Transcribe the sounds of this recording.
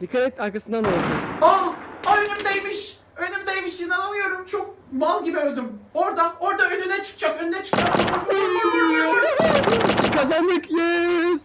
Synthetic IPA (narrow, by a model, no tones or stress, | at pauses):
d̪ikʰat̪ɛt̪aɾkasɯnd̪analzmaaønymd̪ejmiʃ | ønymd̪ejmiʃjinanˠamɯjo̞ɾumt͡ʃʰok̚ | malˠɟibiølʲd̪ymo̞ɾd̪ao̞ɾd̪aønynɛt͡ʃʰɯ̥k̚t͡ʃakønynɛt͡ʃʰɯ̥k̚t͡ʃʰakanouniɾd̪yɾijoɾu | kʰazand̪ɯkjez